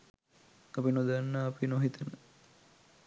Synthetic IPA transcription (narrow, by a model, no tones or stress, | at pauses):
ɐpinod̪anːaːpinoɦit̪ənə